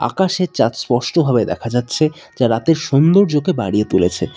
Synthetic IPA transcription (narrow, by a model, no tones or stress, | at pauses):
a̰kaʃeɾt͡ɕat̪spɔʃʈobʱabed̪ɛkʰad͡ʑatːɕʰe | d͡ʑaɾat̪eɾʃond̪oɾd͡ʑokebaɽijet̪ulḛt͡ɕʰḛ